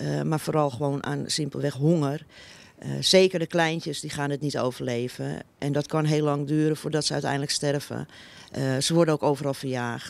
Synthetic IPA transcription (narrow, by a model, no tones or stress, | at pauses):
mafoːɾɔlˠxəʋoːna̰ːnsɪmpəl̩ˠʋɛxɦoŋər | seːkərdəklɛjntjəsdixaːnətnito̰ːwvərleːvə̰ʔɛndɔtkʰɔnɦeːlɑŋdyːɾənfʊːɹdɔtsəœ̰ɥtɛ̰jndləkstɛrvə̰ | səʋɔɹrdənowkoːwvərɑlˠfərjaːxt